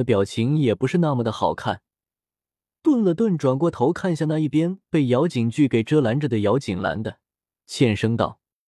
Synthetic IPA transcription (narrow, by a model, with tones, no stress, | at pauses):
ə˧pjɑ˨˩ʊt͡ɕʰi˧˥ŋjɛ˨˩pu˧˥ʂɻ̩˥˧na˥˩mə˩d̪ə˩xɑ˨˩ʊkʰa˥˩n | t̪wə˥˩nlə˩t̪wə˥˩nʈ͡ʂwa˨˩nkwɔ˥˩t̪ʰo˧˥ʊkʰa˥˧nɕja˥˧na˥˧i˥˩pjɛ˥npe˥˩ɪjɑ˧˥ʊt͡ɕi˨˩ŋt͡ɕy˥˩ke˨˩ɪʈ͡ʂɤ˥la˧˥nʈ͡ʂə˩d̪ə˩jɑ˧˥ʊt͡ɕi˨˩ŋla̰˧˥nd̪ə˧ | t͡ɕʰjɛ˥˩nʂɤ˥ŋt̪ɑ̰˥˩ʊ